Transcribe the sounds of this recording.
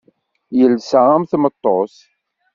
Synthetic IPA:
jəlsəʁæmθmət̪ˤːos

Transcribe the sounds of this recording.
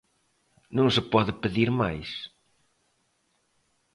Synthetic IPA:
nũŋsɪpɔðɪpɪðiɾmajs

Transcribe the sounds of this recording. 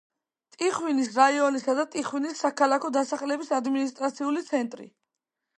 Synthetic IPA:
t̪ʼiχwinisɾaiɔnisad̪at̪ʼiχwinisːakʰalˠakʰɔd̪asaχlɛbisad̪minist̪ʼɾat̪sʰiulit̪sʰɛnt̪ʼɾḭ

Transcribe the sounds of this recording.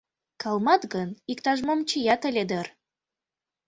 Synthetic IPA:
kʰɑlˠmɑt̪ɣənikt̪ɑʒmomt͡ɕəjɑt̪ə̆lʲed̪ər

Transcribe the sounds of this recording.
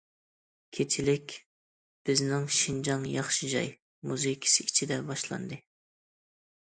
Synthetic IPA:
kʲʰet͡ʃʰɪlɪkʲ | b̥ɪznɪŋʃind͡ʒɑŋjɑχʃid͡ʒɑ̰j | muzɨkʲʰi̥sɨit͡ʃʰid̪ɛbɑʃlˠɑ̰nd̪ɨ

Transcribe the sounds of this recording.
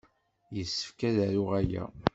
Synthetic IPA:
jəsːə̥fkæðæɾʊʁæjæ̰

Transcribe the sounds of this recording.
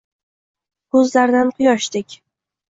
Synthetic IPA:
kʰɵzlaɾd̪anqʰʊjɒʃd̪ɪkʲ

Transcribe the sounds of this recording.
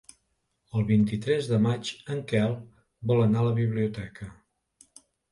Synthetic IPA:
əlˠβint̪it̪ɾɛzðəmat͡ʃəŋkɛlˠ | bɔlənaləβiβliut̪ɛkʰə

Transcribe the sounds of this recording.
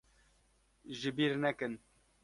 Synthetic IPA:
ʒɪbiːɾnɛkɨn

